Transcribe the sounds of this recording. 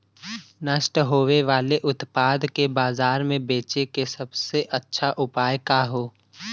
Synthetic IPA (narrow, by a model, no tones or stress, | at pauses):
nəʃʈɦoːʋeʋaːleʔʊt̪paːd̪kebaːzaːɾmẽbeːt͡ʃekesɐbseʔɐtːʃʰaʔʊpaːjkaːɦoː